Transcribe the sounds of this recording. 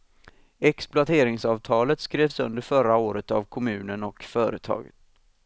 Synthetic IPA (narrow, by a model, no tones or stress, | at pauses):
ɛksplʊat̪ʰeːɾɪŋsɑːvt̪ʰɑːlət̪skɾeːvsɵnd̪əɾfœɾaoːɾət̪avkʰɔmʉ̟ːnənɔkfœːɾət̪ʰɑ̰ːɡə̰t̪